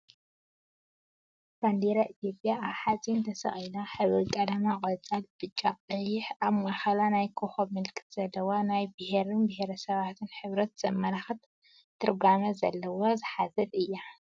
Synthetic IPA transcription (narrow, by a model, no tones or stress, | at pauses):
b̥and̪eɾaʔit̪ʰijo̞pʼjaaβħat͡sʼint̪ʰɐsɐ̰χʼjnaħɨβɨkʼɐd̪amakʼɐt͡sʼalb̥ɨt͡ʃʼːaqʼɐjɪħaβmaxalanajkʰoħomɨlkʼɨ̥t̪z̥ɐlːɐwanajbɨheɾɨnbɨheɾɐsɐβat̪ʰɨnħɨβɾɐt̪z̥ɐmːɐlaxt̪ | t̪ʰːɨɾɡamɐzɐ̰lːɐwozɨħazɐd̪ɨjːa